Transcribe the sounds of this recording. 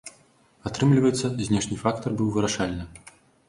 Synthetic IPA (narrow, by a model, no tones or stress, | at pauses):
at̪ɾɨmlʲivɐjɛt̪sːɐzʲnʲɛʂnʲɨfakt̪ɐrbɨwvɨɾaʂalʲnɨ